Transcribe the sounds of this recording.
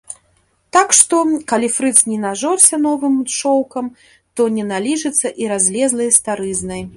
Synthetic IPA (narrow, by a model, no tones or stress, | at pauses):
t̪akʂt̪ɔkalʲifɾɨt̪snʲɛnaʐɔrsʲɐnɔvɨmt͡ʂɔwkɐm | t̪ɔnʲɛnalʲiʐɨt̪sːɐʔiɾazʲlʲɛzlˠɐjst̪aɾɨznɐj